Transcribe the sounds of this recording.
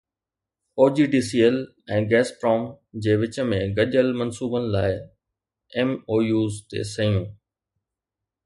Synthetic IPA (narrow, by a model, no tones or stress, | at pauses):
oːd͡ʑiːɖiːsiːəl | ɛ̃ːɡɛːspɾɔːm | d͡ʑeːʋɪt͡ɕə̆mẽɡɐʄəlmɐnsuːbənɪ̆laːɪ | emoːjuːzt̪ḛːsɐjũː